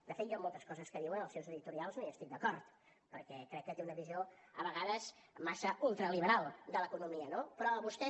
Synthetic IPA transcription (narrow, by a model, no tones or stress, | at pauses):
d̪əfet̪jɔmolˠt̪əskɔzəskəðiwənəlˠsewzəðit̪uɾialˠznoiəst̪ik̚d̪əkɔɾt̪ | pəɾkɛkɾɛkːət̪eunəβizio | əβəɣaðəz | masəulˠt̪ɾəliβəɾalˠd̪ələkunumiənopɾɔəβust̪ɛ